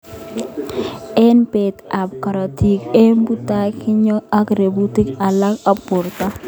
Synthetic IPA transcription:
ɛ˦npe˨ta˨p̚ka˨ɾa˨ti˨ke˦mbu˦ta˦kɪ˦ɲɔ˦a˦ɡɾe˨bu˦ti˦ka˨la˦ka˦pʊ˨ɾta˦

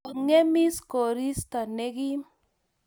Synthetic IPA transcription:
ŋe˦mi˦sko˨ɾi˦st̪a˨ne˦ɡi˦

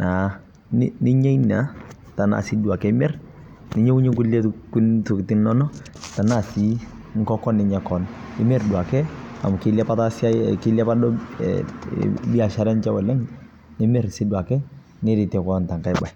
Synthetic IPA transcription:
na˨ | nnɪ˦ɲɛ˦i˦na˦ | ta˨na̰˨si˦du˨a˨kɛ˦ɪ˦mɛ˦ɾ | nɪ˦ɲɛ˦ku˦ɲe˦ku˦le˦ku˦tu˨kti˦nːɔ˦nɔ˦ | ta˨na˦˨si˦ | ŋ̩˦kɔ˦kɔ˦nːɪ˨ɲa˨kɔ˨nɪ˦mɛ˦ɾdu˨a˨kɛ˦a̰˨m˨kɪ˦la˦pa˦ta˦sa˦kɪ˦la˦pa˦dɔ̰˦ | bi˦a˨ʃa˦ɾɛ˦nt͡ʃa˦wɛ˨lɛ˦ŋ | nɪ˦mɛ˦ɾsi˦dwa˨kɛ˦ | nɪ˦ɾi˨tɛ˨kɔ˦nta˨ŋka˨jba˨j

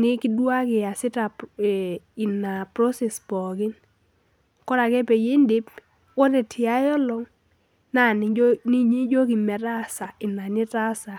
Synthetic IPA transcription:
nɪ˦kɪ˦dwa˦kɪ˨a˨sɪ˦ta˨ | ɪ˨na˨pɾɔ˦sɛ˨spɔ˨kɪ˦n | kɔ˦ɾa˨kɛ˦pɛ˨je˦ndɪ˦p̚ | wɔ˦ɾɛ˨tʰɪ˨ja˦jɔ˦lɔ˦ŋ | na˨n˨ni˦ɲi˦d͡ʒo˦k̬ɪ˨mɛ˨ta˦˨sa˨ɪ˨na˨nɪ˦ta˦sa˨

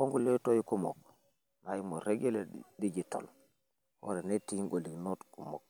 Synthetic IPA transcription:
o˦ŋɡu˦le˦to˦ji˦ku˦mo̰˨k̚ | na˨ji˦mo˨ɾe˦ɡe˦le˨di˦d͡ʒi˨to̰˨l | ho̰˦ɾe˨ne˦ti˦ŋɡo˨li˨kno˦tku˨mo̰˨k̚

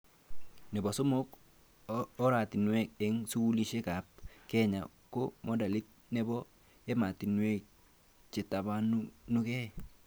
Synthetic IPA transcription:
nɛ˨bɔ˨so˦mo˦k | ɔ˦ɾa˨ti˨nwɛ˦˨k̚ɛ˦ŋsu˦u˦li˦ʃe˦ka˨p̚kɛ˦ɲa̰˨ | ko˦mɔ˦da˨li˦t̚nɛ˦bɔ˦ | e˦ma˨ti˨nwe˦k | t͡ʃe˨ta˨ba˦nu˦nu˦kɛ˦˨

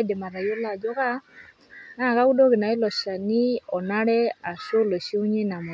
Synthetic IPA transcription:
de˨ma˨ɾa˨jo˦la˨d͡ʒɔ˦ɣa˦ | na˦˨ɣa˦ɣu˦do˦ɣe˨na˨i˦lɔ˨ʃa˨ni˦ɔ˨na˦ɾɛ˦a˨ʃo˦lo˨ʃi˦u˦ɲe˦na˨mo˨

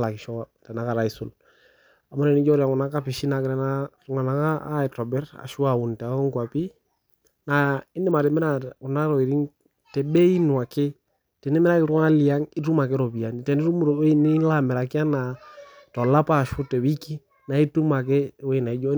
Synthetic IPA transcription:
la˨ki˨ʃɔ˦a˦tɛ˨na˨˦ka˨ɾa˨i˦sʊ˦l | a˨mɔ˦ɾɛ˨ni˦d͡ʒɔ˦ɾa˨ŋku˨na˨˦ka˦pi˨ʃi˦na˨kɾɛ˨na˦˨ | ŋa˨na˨kaː˦ɛ˨tɔ˨bɛ˦ɾa̰˨ʃu˦a˨u˨n˨ta˨ɔ˦ŋkwa˨pi˦ | na˨ɪ˦nɪ˦ma˨ɾɛ˨mɛ˦ɾa˨u˨na˦ɾɔ˨i˨ɾi˦n | tɛ˨ɓɛ˦i˦nwa˨kɪ˦ | tɛ˨nɛ˦mɛ˦ɾa˦kɪ˧ɾu˦a˦li˨a˦ŋi˦ɾu˦ma˨k̬ɛ˦ɾɔ˨βi˨a˨ni˨tɛ˨ni˦ɾu˦mu˦ɾɔ˨ɛ˦i˦ni˦la˦mɛ˨ɾa˨kɪ˦a˦na˨tɔ˨la˦pa˦˨ʃu˦tɛ˨wi˦ki˦ | na˨i˦tu˦ma˨k̬e˦wɛ˦i˨na˨i˦d͡ʒɔ˦

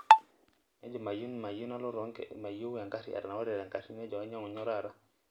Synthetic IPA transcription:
nɛ˦d͡ʒɔ˨ma˨ju˦nma˨ji˦nɔ˦lɔ˦ɾɔ˦ŋma˨jo˦ja˨ŋka˦sḭ˦ʔa̰˨ɾna˨wa˦ɾɛ˨ɾa˨ŋka˨si˦nɛ˦d͡ʒɔ˨a˦ɲɔ˦ŋɔ˨ɲɔ˦ɾa˨ɾa˦

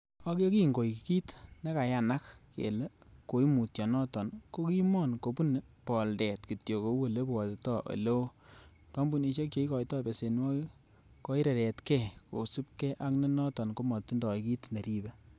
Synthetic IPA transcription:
a˦ki˦o˦ki˦ŋɡo˨i˨kiki˦tne˦ka˨ja˨na˦kkḛ˨le˦ | ko˨i˦mu˨tjɔ˨nɔ˦tɔ˨nko˦ki˦mɔ˦˨nko˨pu˦n˨ | pɔ˨ldɛ˨tki˨tjo˨ko˨˦wo˦˨le˦bɔ˨te˨tɔ˦ʔo̰˨lo˦ | ta˦mbu˨ni˧ʃɔ˦k̚t͡ʃo˦i˦kɔ˨jtɔː˦be˨se˨n˦wɔ˦ | kɔ˦i˦ɾɛ˨ɾɛ˨tkɛ˦˨ko̰˨su˦p̚kɛ˦ʔa˦kne˦nɔ˦tɔ˨nko˦mɔ˨tːi˦ndɔ˨i˨ki˦tne˨ɾi˦bɛ˦

